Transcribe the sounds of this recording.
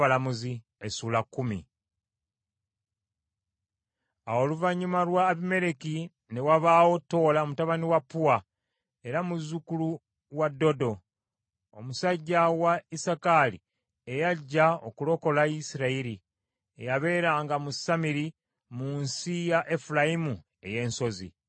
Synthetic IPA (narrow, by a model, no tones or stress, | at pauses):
alamuzi | esuːlakːumḭ | awo̞luvaɲːumalwaːβime̞ɾe̞ki | ne̞waβaːwo̞tːo̞ːlaomutaβaniwapːuwa | e̞ɾamuzːukulu | wadːo̞do̞ | o̰musaɟːawaisakalḭ | ejaɟːao̞kulo̞ko̞laisiɾaiɾi | ejaβe̞ːɾaŋɡamusamiɾi | munsijaʔe̞fulajimu | e̞̰je̞ːnso̞zḭ